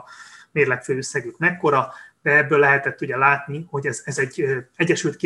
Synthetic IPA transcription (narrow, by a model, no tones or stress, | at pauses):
meːrlɛkføːøsːɛɡykmɛkːo̞ɾɒd̪̥ɛɛbːøːlːɛɦɛt̪ɛt̪ːudɟɛlaːt̪niho̞ɟɛzɛzɛɟɛɟːɛʃylt̪̚ki